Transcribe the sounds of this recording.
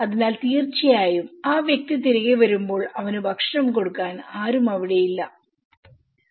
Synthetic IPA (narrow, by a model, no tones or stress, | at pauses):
ɐðinaːlt̪iːrt͡ɕːɐjaːjumaːʋjɐk̚t̪it̪iɾiɣeʋɐɾumbo̞ːɭɐʋɐnɨbʱɐkʂɳɐmko̞ɽukːaːnaːɾumɐʋiɽe̞jilːɐ